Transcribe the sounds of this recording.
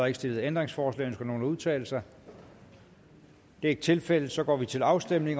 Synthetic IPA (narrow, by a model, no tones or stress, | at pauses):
ɐeɡ̥əsd̥e̝lð̩ˠend̥ʁeŋsfɒːslɛ̰ːnskɡ̥æno̝ːluð̞ˠt͡sʰɛ̰ːl̩sɑ | d̥e̝æɐe̝ɡ̥̚t͡sʰe̝lfel̰ð̩ˠsɒ̽ɡ̥ɒ̰ːʋit͡sʰe̝lɑ̈ʊsd̥em̰ne̝ŋ